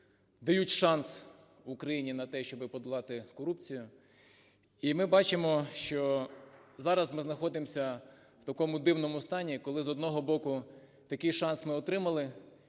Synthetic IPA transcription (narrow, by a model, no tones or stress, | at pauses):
d̪ɐjutʲʃɑns | ʊkɾɐjinʲinɐt̪ɛʃt͡ʃɔbɪpɔd̪ʊlˠɑt̪ɪkɔɾup̚t͡sʲijʊ | imɪbɑt͡ʃɪmɔʃt͡ʃɔ | zɑɾɐzmɪznɐxɔd̪ɪmsʲɐ | wt̪ɐkɔmʊd̪ɪwnɔmʊst̪ɑnʲikɔlˠɪzɔd̪nɔɦɔbɔkʊ | t̪ɐkɪjʃɑnsmɪɔt̪ɾɪmɐlˠɪ